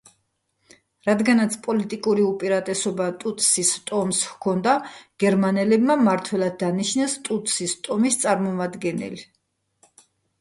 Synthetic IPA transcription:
ɾad̪ɡanat̪sʰpʼɔlit̪ʼikʼuɾiupʼiɾat̪ʼɛsɔbat̪ʼut̪ʰʼsist̪ʼɔmshkʰɔnd̪aɡ̥ɛɾmanɛlɛbmamaɾt̪ʰwɛlˠad̪̚ːaniʃnɛst̪ʼut̪ʰʼsist̪ʼɔmist̪sʼaɾmɔmad̪ɡɛnɛ̰li

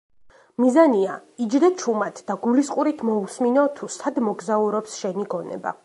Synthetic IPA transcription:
mizaniaid͡ʒd̪ɛt͡ʃʰumat̪ʰd̪aɡulisqʼuɾit̪ʰmɔusminɔt̪ʰusʰad̪mɔɡzauɾɔpsʃɛniɡɔnɛ̰ba̰

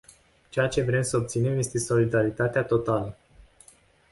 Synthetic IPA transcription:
t͡ʃe̞jat͡ʃe̞vɾe̞msəop̚t̪sine̞mje̞st̪e̞so̞lid̪aɾit̪at̪eat̪o̞t̪alə

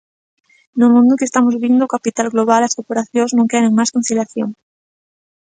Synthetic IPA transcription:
nomũnd̪okest̪amozβind̪okapit̪alɣloβ̞alaskoɾpoɾaθjoŋznõŋkeɾeŋmaskon̟θiljaθjoŋ

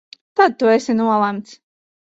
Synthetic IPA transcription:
t̪ad̪̚t̪uɛsinuɔlˠæmt̪s

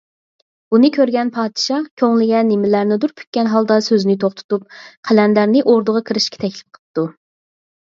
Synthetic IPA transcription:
b̥unɨkʲʰøɾɡʲɛnpʰɑːd̪ɨʃɑkʲʰøŋlɪɡʲɛnːɪmɪlæɾnɪd̪uɾpʲʰy̥t̪̚ʲkʲɛnɦɑlˠd̪ɑsøznɪt̪ʰoχt̪ʰʊ̥t̪up̚qʰælɛnlæɾnɪʔoɾd̪ʊʁɑkʰiɾɪʃkʲɛ̥t̪ʰɛkʲlɪp̚qʰə̥t̪u

